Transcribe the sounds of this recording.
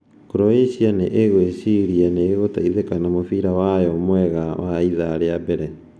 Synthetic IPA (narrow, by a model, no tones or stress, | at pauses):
kɾoesianeʔeɣwesiɾianeːɣotaiðekanamofiɾawajɔmwɛɣawaiðaɾeabɛɾɛ